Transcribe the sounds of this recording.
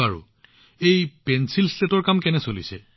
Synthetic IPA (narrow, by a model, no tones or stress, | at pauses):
aɹṵ | ejpɛnsilstetɔɹkamkɛnɛsolḭsɛ